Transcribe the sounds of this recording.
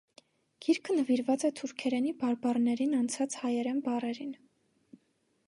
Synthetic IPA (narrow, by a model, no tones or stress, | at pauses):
ɡ̥iɾkʰənəviɾvɑt͡sɛt̪ʰuɾkʰɛɾɛnibɑɾbɑrnɛɾinɑnt͡sʰɑt͡sʰhɑjɛɾɛnbɑrɛɾin